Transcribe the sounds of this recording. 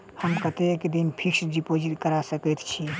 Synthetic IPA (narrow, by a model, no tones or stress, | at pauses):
həmkət̪eked̪inpʰiksɖipod͡ʒit̪kəɾasəkɛt̪t͡ʃʰi